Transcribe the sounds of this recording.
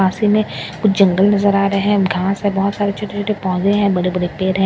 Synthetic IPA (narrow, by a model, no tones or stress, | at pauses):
aːsimẽkʊt͡ʃʰd͡ʒɐ̃ŋɡəlnɐzəɾaːɾəeɦɛ̃ɡʱaːsɦɛ̃bɔːt̪saːɾet͡ʃʰoːʈet͡ʃʰoːʈepɔ̃ːzeɦɛ̃ːbɐɽebɐɽepeːɾɦɛ̃ː